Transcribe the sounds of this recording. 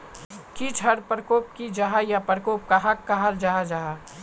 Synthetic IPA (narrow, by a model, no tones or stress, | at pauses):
kit͡ʃʰəɽpɾəkoːp̚kid͡ʒaɦajapɾəkoːp̚kaɦɐkːaɦald͡ʒaɦad͡ʒaɦa